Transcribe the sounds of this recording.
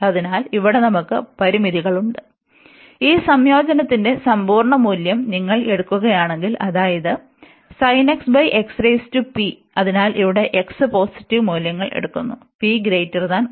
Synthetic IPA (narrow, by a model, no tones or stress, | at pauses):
ɐðinaːliʋiɽe̞nɐmukːɨpɐɾimiðiɣɐɭuɳɖɨ | iːsɐmjo̞ːd͡ʑɐnɐt̪ːinde̞sɐmbʱuːɾɐɳɐmuːljɐmniŋːɐɭe̞ɽukːuɣɐjaːɳe̞ŋɡilʔɐðaːjɐðɨ | sɐjneksbɐjʔeksrejstupi | ɐðinaːlʔiʋiɽe̞ʔeksɨpo̞ːsi̥tːiʋmuːljɐŋːɐɭʔe̞̰ɽukːunːupiɡɾejtːɐrðaːn